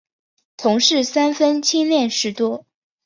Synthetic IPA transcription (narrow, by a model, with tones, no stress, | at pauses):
t̪ʰʊ˧˥ŋʂɻ̩˥˩sa˥nfə˥nt͡ɕʰi˥nljɛ˥˩nʂɻ̩˧˥t̪wɔ˥